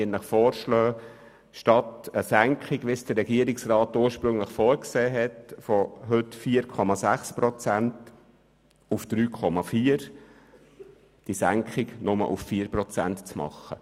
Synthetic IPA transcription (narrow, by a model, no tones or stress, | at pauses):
ənləχfɔːɾʃlœː | ʃtɑtəsæŋkχiɡʋisd̥əɾːɛɡiːəɾɪksrɑːt̪uːɾʃpɾɵŋləχfɔːɾkseːɦɛtfɔɦɵtfiːəɾkʰɔmɑsæχspɾɔt͡sænt | ufd̪̥ɾyːkʰɔmɑfiːəɾ | d̥isæŋkχɪɡnʊmə̰lʔṵffiːəɾpɾɔt͡sæ̰ntt͡smɑ̰χːə̰